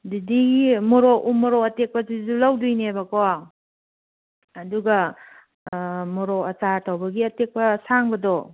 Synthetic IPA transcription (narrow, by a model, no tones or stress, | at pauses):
didiɡimɔɾoʔumɔɾɔɐtek̚pɐzizulawdujnebɐkoa | duɡɐ | mɔɾɔɐt͡ʃatʰawbɐɡiɐtek̚pɐsaŋbɐdɔ